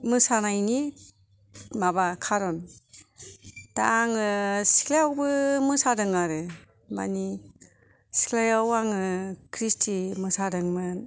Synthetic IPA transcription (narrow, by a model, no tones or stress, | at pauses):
mɯsanajni | mabakʰaɾɔn | taaŋɯsi̥kʰlajawbɯmɯsadɯŋaɾɯ | ma̰ni | si̥kʰlajawaŋɯkʰɾistʰimɯsadɯŋmɯn